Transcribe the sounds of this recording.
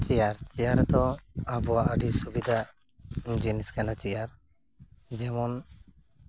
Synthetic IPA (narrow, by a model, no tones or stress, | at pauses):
t͡ʃɛjaɾt͡ʃijaɾt̪ɔəbɔwaʔəɖisubid̪ʱa | d͡ʒiniskanat͡ʃijaɾ | d͡ʒɛmɔn